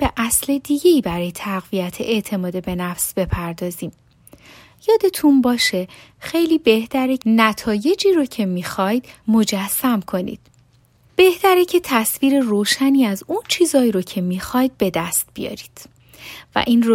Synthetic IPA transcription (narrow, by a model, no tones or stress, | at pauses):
b̥e̞ʔæsled̪iːɟe̞iːbæɾɒːjet̪ʰæɣviæt̪ʰḛʔe̞ʔt̪ʰe̞mɒːd̪ebe̞næfsb̥e̞pʰæɾd̪ɒːziːm | jɒːd̪e̞t̪ʰunbɒːʃe̞ | xe̞jliːbe̞ht̪æɾenæt̪ʰɒːje̞d͡ʒiːɾocʰe̞miːxɒjd̪̥mo̞d͡ʒæsːæmkʰo̞nḭd̪̥ | b̥e̞ht̪æɾecʰet̪ʰæsviːɾe̞roːʃæniːæzunt͡ʃʰiːzɒːjɾocʰe̞miːxɒjd̪̥̚be̞d̪æst̪̚b̥ijɒ̰ːɾiːd̪̥ | væ̰ʔiːno